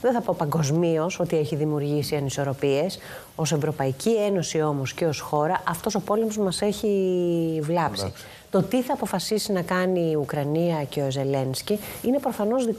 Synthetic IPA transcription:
ðeθɐpopɐŋɡo̞zmio̞so̞t̪ieçiðimiuɾʝisiɐniso̞ɾo̞pie̞s | o̞se̞vɾo̞pɐicʰie̞no̞sio̞mo̞sce̞o̞sxo̞ɾɐʔɐft̪o̞so̞po̞lemozmɐse̞çi | vlɐpsi | t̪o̞t̪iθɐːpo̞fɐsisinɐkɐniːukɾɐniɐce̞oze̞le̞nsciine̞pɾo̞fɐno̞zðik

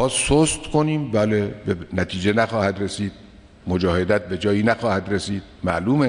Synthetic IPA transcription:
ɒːsost̪kʰoniːmbæːlebenæt̪ʰiːd͡ʒe̞næxɒːhæd̪resiːd̪̥̚ | mod͡ʒɒːhe̞d̪æt̪̚bed͡ʒɒːjinæxɒːhæd̪ɾesiːd̪̥mæʔluːme

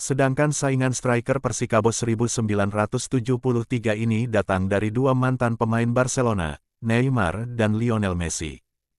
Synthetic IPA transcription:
sədaŋkansaiŋanst̪ɾajkərpərsikabosəɾibusəmbilanrat̪ʊst̪ud͡ʒuhpulʊht̪iɡainidat̪aŋdaɾiduamant̪anpəmaɪnbarselona̰ | nɛima̰rdanlionɛlmɛsḭ

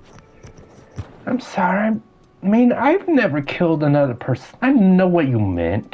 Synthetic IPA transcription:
ãɪ̃msɑɹiaɪ | mĩnaɪvnɛvə˞kʰɪlˠdənʌðə˞pʰɜ˞sən̩aɪnoʊwʌt͡ʃɨmɛ̰̃nt

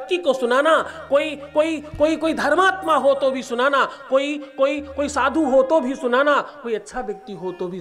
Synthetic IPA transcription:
k̚t̪ikosʊnaːnakoikoikoikoid̪ʱəɾmaːt̪maɦot̪obʱisʊnanakoikoikoisaːd̪ʱũɦot̪obʱisʊnanakoiətːʃʰabjək̚t̪iɦot̪obʱi

